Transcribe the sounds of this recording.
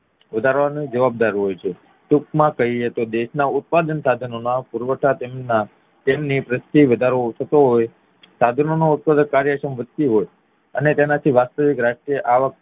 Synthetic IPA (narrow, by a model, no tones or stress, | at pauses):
ʋəd̪ʱaɾʋanĩd͡ʒəʋab̚d̪aɾɦojt͡ʃʰe | t̪uk̚mãkəɦiet̪od̪eʃnaʊt̪̚pad̪ənsad̪ʱənonapuɾʋəʈʰat̪emna | t̪emnipɾəst̪iʋəd̪ʱaɾot̪ʰət̪oɦoj | sad̪ʱənonout̪̚pad̪ənkaɾjəʃəmʋəd̪t̪iɦoj | ənet̪enat̪ʰiʋast̪əʋikɾaʃʈɾijəʔaʋək̚